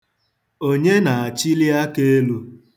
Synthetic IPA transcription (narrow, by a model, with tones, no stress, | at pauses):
o˦ɲe˦na˨a˨t͡ʃi˦li˦a˦ke˦e˦lu˦